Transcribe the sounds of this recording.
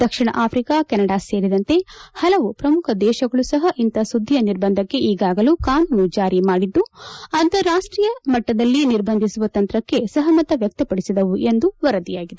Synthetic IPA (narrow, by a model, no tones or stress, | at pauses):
d̪̥ɐkʂiɳɐ̰ʔaːpʰɾiːkaːkɛnɐɽaseːɾid̪ɐnt̪e̞hɐlɐʋupɾɐmukʰɐd̪ɛːʃɐɡɐɭusɐɦɐʔint̪ɐsud̪ʱːijɐniɾbɐnd̪ʱɐkːe̞ʔiːɡaːɡɐlukaːnuːnud͡ʒaːɾimaːɽid̪ːuɐnt̪ɐɾaːʂʈɾiːjɐmɐʈːɐd̪ɐlːiniɾbɐnd̪ʱisuʋɐt̪ɐnt̪ɾɐkːe̞sɐɦɐmɐt̪ɐʋjɐk̚t̪ɐpɐɽisid̪ɐʋuʔe̞nd̪uʋɐɾɐd̪ijaːɡid̪e